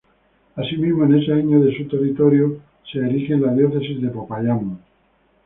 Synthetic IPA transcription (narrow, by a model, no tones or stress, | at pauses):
asimizmoene̞seaɲoðe̞sut̪e̞rit̪o̞ɾjo | seːɾixenlaðjo̞θe̞sizðe̞po̞pajamo